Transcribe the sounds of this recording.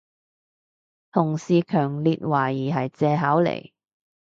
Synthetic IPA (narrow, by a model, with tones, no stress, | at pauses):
t̪ʰʊ˨˩ŋsiː˨kʰœː˨˩ŋliː˨t̚waː˨˩jiː˨˩ɦɐ˨jt͡sɛː˧ɦaː˨˥wlḛ˨˩j